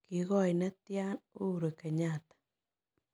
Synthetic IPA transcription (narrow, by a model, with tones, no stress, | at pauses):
kɪ˨ɣɔ˦˨jnɛ˦t̪ja˦no˦˨ɾo˨kɛ˨ɲa˦˨t̪ḁ